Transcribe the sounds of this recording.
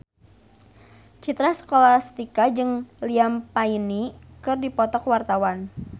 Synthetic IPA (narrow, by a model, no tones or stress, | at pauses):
t͡ʃit̪ɾasə̥kolast̪ikad͡ʒɨŋliampainikɨrdipɔt̪ɔkwart̪awan